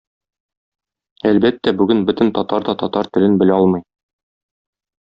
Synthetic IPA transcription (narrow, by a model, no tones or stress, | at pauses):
ælbæt̪ːæbʉɡɘnbɵt̪ɘ̆nt̪ɒt̪ɑɾd̪ɑt̪ɒt̪ɑɾt̪ɘ̆lɘnbɘ̆læɒlˠmɤ̆j